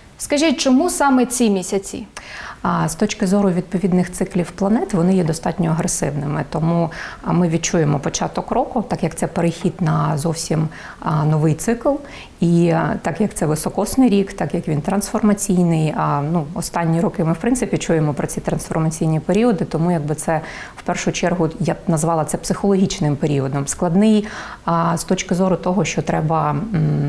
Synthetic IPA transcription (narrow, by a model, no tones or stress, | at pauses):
skɐʒʲitʲt͡ʃɔmusɑmɛt͡sʲimʲisʲɐt͡sʲḭ | st̪ɔt͡ʃkɪzɔɾʊʋʲid̪̚pɔʋʲid̪nɪxt̪sɪklʲiwplˠɐnɛt̪ʋɔnɪjɛd̪ɔst̪ɑtʲnʲɔɐɦɾesɪwnɪmɪt̪ɔmumɪʋʲid̪̚t͡ʃujemɔpɔt͡ʃɑt̪ɔkɾɔkʊt̪ɑkjɐk̚t̪sɛpeɾɪxʲid̪nɐzɔwsʲim | nɔʋɪjt̪sɪklˠ | it̪ɑkjɐk̚t̪sɛʋɪsɔkɔsnɪjɾʲikt̪ɑkjɐkʋʲint̪ɾɐnsfɔrmɐt͡sʲijnɪjnuɔst̪ɑnʲːiɾɔkɪmɪwpɾɪnsɪpʲit͡ʃujemɔpɾɔt͡sʲit̪ɾɐnsfɔrmɐt͡sʲijnʲipeɾʲiɔd̪ɪt̪ɔmujɐɡ̚bɪt̪sɛ | wpɛrʃʊt͡ʃɛrɦʊjanɐzʋɑlˠɐt̪sɛpsɪxɔlˠɔɦʲit͡ʃnɪmpeɾʲiɔd̪ɔmsklˠɐd̪nɪj | st̪ɔt͡ʃkɪzɔɾʊt̪ɔɦɔʃt͡ʃɔt̪ɾɛbɐ